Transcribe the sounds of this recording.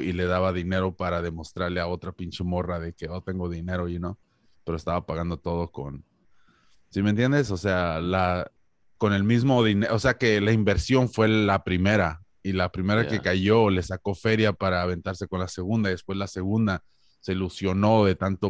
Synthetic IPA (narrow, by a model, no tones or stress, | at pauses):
ile̞ðaβaðine̞ɾo̞paɾað̞e̞mo̞st̪ɾaɾle̞ao̞t̪ɾapint͡ʃe̞mo̞rað̞e̞keot̪e̞ŋɡo̞ðine̞ɾoino | pe̞ɾoe̞st̪aβapaɣand̪o̞t̪o̞ð̞oko̞̰n | siment̪je̞nd̪es̬o̞se̞ala | ko̞ne̞lmizmo̞ðineʔose̞ake̞laimbe̞ɾsjo̞nfwe̞lapɾimeɾa | ilapɾime̞ɾakekaʝo̞le̞sako̞fe̞ɾjapaɾaβ̞e̞nt̪aɾse̞ko̞nlase̞ɣ̞ũnd̪aiðespwe̞zlase̞ɣ̞ũnd̪a | se̞ilusjo̞no̞ðe̞t̪ant̪o